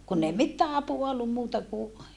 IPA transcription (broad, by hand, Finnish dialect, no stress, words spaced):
kunː ei mitːæː ɑpuɑ olːum muːtɑ ku